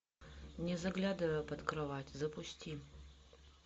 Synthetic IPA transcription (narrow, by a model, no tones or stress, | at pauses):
nʲɛzɐɡlʲad̪ɨvɐjpɐt̪krɨvatʲzɐpʊsʲtʲʰi